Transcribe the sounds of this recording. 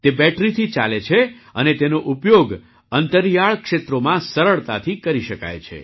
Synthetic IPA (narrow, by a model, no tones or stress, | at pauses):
t̪ebɛʈɾit̪ʰit͡ʃa̰let͡ʃʰe | ənet̪enoʔupjoɡ | ənt̪əɾjaɭkʃet̪ɾomãsəɾəɭt̪at̪ʰikəɾiʃəka̰jt͡ʃʰḛ